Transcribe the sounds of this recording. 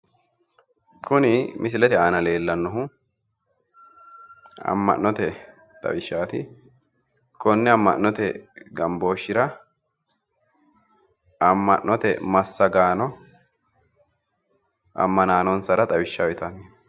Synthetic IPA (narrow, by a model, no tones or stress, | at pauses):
kʊnɪmʔɪs̬ɪlɛt̪ɛaːnɐle̞ːlːɐnːɔɦʊ | ɐ̰mːɐ̰ʔnːɔt̪ɛ | t̪ʼɐ̰wɪʃːaːt̪ɪ | kʰɔnːɛɐmːɐ̰ʔnːɔt̪ɛɡɐmbo̞ːʃːɪɾɐ | ɐmːɐ̰ʔːɔt̪ɛmɐsːɐɡaːnɔ | ʔɐ̰mːɐnaːnɔnsɐɾɐt̪ʼɐwɪʃːawɛt̪ɐni